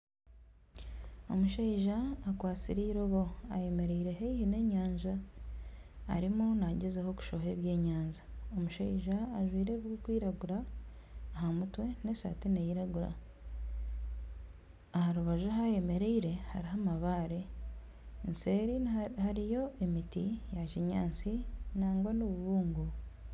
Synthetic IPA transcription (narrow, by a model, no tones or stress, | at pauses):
o̞̰muʃeiʒaːkwaːt͡siɾiɾoβo̞a̰je̞me̞ɾeiɾe̞ɦeihine̞ɲaːɲʒa | ɾimunaɟezeho̞ku̥ʃo̞ɦe̞βje̞ːɲaːɲzaomuʃaiʒaːʒwiːɾeβɡokwiːɾaɡuɾaː | ɦamutwe̞nesa̰ːtenejiɾaɡuɾa̰ | ahaɾuβaʒuɦaje̞me̞ɾeiɾe̞haɾiɦamaβaːɾe̞ | nse̞ɾihaɾijo̞ʔemitijaʃiɲaːnt͡sinaːŋɡwanuβuβuːŋɡu